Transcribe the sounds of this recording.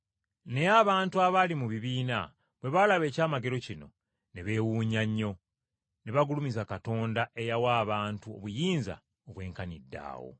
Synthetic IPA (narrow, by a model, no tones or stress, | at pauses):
neaβaːntuaβalimuβiβiːna̰ | βwe̞βalaβe̞ːcaːmaɡe̞ɾo̞cino̞̰ | neβe̞ːwuːɲaɲːo̞ | neβaɡulumizakato̞ːndaʔe̞jawaːβaːntuo̞̰βujiːnza̰ | oβwe̞ːŋkanidːa̰ːwo̞̰